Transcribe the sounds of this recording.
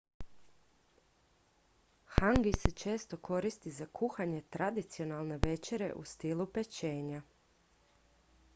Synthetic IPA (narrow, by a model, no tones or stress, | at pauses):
xaŋɡiset͡ʃe̞ːst̪o̞kʰo̞ɾist̪izakʰuxaɲe̞t̪ɾad̪it̪sio̞nalˠne̞ʋe̞t͡ʃe̞ɾe̞̰ʔust̪ilupet͡ʃe̞ːɲa